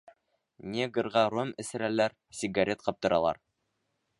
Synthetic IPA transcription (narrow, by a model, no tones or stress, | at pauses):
nʲeɡɤ̆ɾʁɑɾomɘ̆sɘ̆ɾælæɾ | sʲiɡaɾʲet̪̚qɑp̚t̪ɤ̆ɾɑ̰lˠɑ̰ɾ